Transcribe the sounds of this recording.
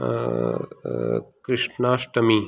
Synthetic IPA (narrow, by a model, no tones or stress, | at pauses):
kɾɪʂnaːʃʈɐmi